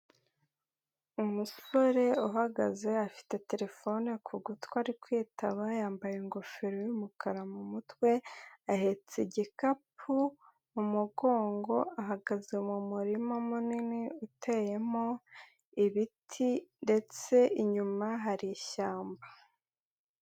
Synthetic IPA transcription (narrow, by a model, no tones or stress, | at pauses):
umuso̞ɾe̞uɦaɡa̰ze̞afi̥te̞te̞ɾe̞fo̞nekʰuɡutkwaːɾikwiːtaβajaːmbajeŋɡo̞fiɾojumukaɾamumutkwe̞ahe̞t͡seɟikapʰu | umuɡo̞ːŋɡo̞aɦaɡazeumumuɾimomuniniutʰe̞je̞mo | iβitʰinde̞t͡se̞iɲumaɦaɾiʃaːmba